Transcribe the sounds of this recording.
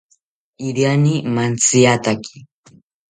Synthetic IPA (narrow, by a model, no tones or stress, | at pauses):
iɾjanimant͡siat̪akʰi̥